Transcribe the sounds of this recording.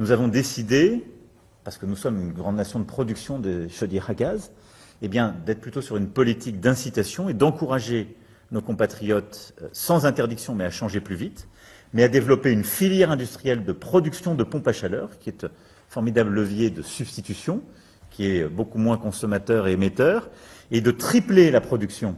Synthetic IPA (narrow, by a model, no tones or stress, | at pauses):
nuzavɔ̃d̪esid̪e | paʁsə̥kənusɔmynɡʁɑ̃d̪nasjɔ̃d̪əpχɔd̪yksjɔ̃d̪eʃəd̪jeʁaɡaz | ebjɛ̃d̪ɛt̪χplyt̪osyʁynpɔlit̪ik̚d̪ɛ̃sit̪asjɔ̃ed̪ɑ̃kuʁaʒe | nokɔ̃pat̪χijɔt̪sɑ̃zɛ̃t̪ɛʁd̪iksjɔ̃mɛaʃɑ̃ʒeplyvit̪ | mɛad̪evlɔpeynfiljɛʁɛ̃d̪yst̪χijɛld̪əpχɔd̪yksjɔ̃d̪əpɔ̃paʃalœːʁkʲiɛt̪ | fɔʁmid̪ablələvjed̪əsyb̥st̪it̪ysjɔ̃ | kʲiɛbokumwɛ̃kɔ̃sɔmat̪œʁemet̪œʁed̪ət̪χiplelapχɔd̪yksjɔ̃